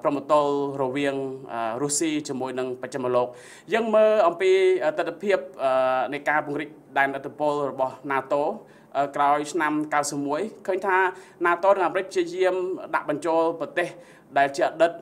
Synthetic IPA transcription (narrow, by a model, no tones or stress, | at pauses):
prəmot̪olrɔʋiəŋʔəruəsiːt͡ɕiəmuəjnɨŋpəc̚t͡ɕamoloːk̚ | jəːŋməːʔɑmpiːʔat̪ɨt̪ʰːpʰiəp̚ʔəːnɨjkaːpŭəŋrɾik̚ɗaɛnʔət̪ʰːipoəlrɔɓɑhnaːt̪oː | ʔəkraɔjt͡ɕʰnamkawsəp̚muəjkʰəːɲt̪ʰaː | naːt̪oːnɨŋʔaːmɾɨc̚pʰt͡ɕiəjiəmɗa̰ʔɓɑɲt͡ɕoːlprɑt̪eːh | ɗaɛlt͡ɕiəʔaɗɨt̪̚